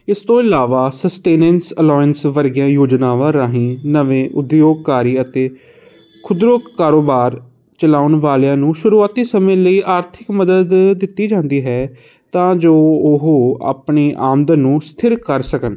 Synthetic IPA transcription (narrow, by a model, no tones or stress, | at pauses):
ɪst̪õːɪlaːʋaːsəsʈeːnɛ̃nsəlɔːjənsʋəɾɡjãːjoːd͡ʒnaːʋãːɾaːɦĩːnəʋẽːʔʊd̪joːɡ̚kaːɾiːət̪eː | kʰʊd̪ɾokkːaːɾoːbaːɾ | t͡ʃəlaːʊnʋaːljãːnũːʃʊɾuːaːt̪iːsəmẽːləiːʔaːɾt̪ʰɪkməd̪əd̪ːɪt̪ːiːd͡ʒãːnd̪iːɦɛː | t̪ãːd͡ʒoːʊɦoːa̰ːpɳeːʔaːmd̪ənũːst̪ʰɪɾkəɾsəkən